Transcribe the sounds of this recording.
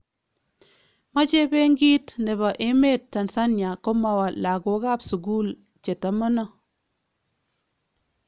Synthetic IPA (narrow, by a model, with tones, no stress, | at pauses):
ma˦t͡ʃe˦be˦ŋɡi˦tne˨ba˨ʔe˦me˦tːa˨nsa˦nja˨ko˦ma˨wa˨la˨ɡo˨˦ɡa˦˨psu˨ɡuː˦l | t͡ʃe˨ta˨mə˦no˦